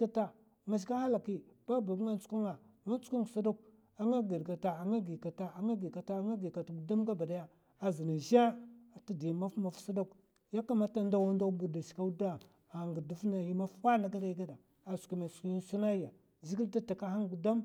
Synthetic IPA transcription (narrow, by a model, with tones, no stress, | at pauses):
a˦ta˨ | ma˨ʃ̬ka˦ha˦la˨ki˦b̥a˦ba˨ba˦nt͡su̥˦ku˦ŋa˨ma˦nt͡su̥˦ku˦ŋ˨sa˦da˦k̚ | a˦ŋa˦ɡi˨dɡa˨ta˨a˨ŋa˦ɡi˨ka˨ta˨a˨ŋa˦ɡi˨ka˨ta˦ŋa˦ɡi˨ka˨ta˨ɡu˨da˦mɡa˦ba˨da˦ja˦ | a˨zi˨na˨ʒa˦a˨ta˦di˨jma˦fma˨fsa˦da˦k | ja˦ka˦ma˦ta˦nda˦wa˦nda˦bu˨da˨ʃi̥˨ka˦da˦ | a˨ŋɡi˨ɾdu˦fna˨ji˦ma˦fwa˦na˨ɡa˦la˦ɡa˦da˨ | a˨su̥˨ki˨ma˨ski˦i˦su˦na˦a˨ | zi˦i˦ta˦ta˨ka˦ha˦ŋɡu˨da˦m